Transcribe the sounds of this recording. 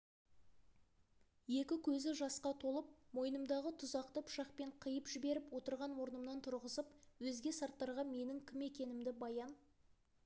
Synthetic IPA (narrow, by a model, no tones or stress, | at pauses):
je̞kʲɪkʲʰɵzɪʒɑsqɑt̪ʰo̞lˠəp̚mo̞jnəmd̪ɑʁət̪ʰʊzɑqt̪əpʰʃɑqpe̞ɴqʰəjəpʒɪbe̞ɾɪpwo̞t̪əɾʁɑnwo̞ɾnəmnɑnt̪ʰʊɾʁəzəpwɵzɡʲe̞sɑɾt̪ːɑɾʁɑme̞nɪŋkʲʰɪme̞kʲe̞nɪmd̪ɪbɑjɑn